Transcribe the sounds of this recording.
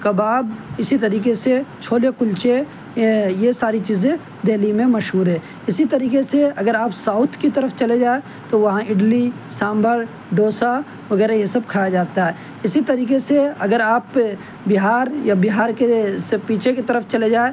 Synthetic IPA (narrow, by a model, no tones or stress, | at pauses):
kɐbaːbɪsit̪ɐɾiːkeset͡ʃʰoːlekʊlt͡ʃe | jesaːɾit͡ʃiːzẽ | d̪eːlimẽmɐʃɦuːɾɦɛ̃ː | ɪsit̪ɐɾiːkeseɐɡəɾaːpsaːʊt̪ʰkit̪əɾəfʰt͡ʃɐled͡ʒaːe | t̪oʋɐɦãɪɖlisãːmbəɾ | ɖoːsa | ʋɐɡɛːɾajesɐb̚kʰaːad͡ʒaːt̪aɦɛː | ɪsit̪ɐɾiːkeseɐɡəɾaːp | bɪɦaːɾjabɪɦaːɾkesepiːt͡ʃʰekit̪əɾəft͡ʃɐled͡ʒaːe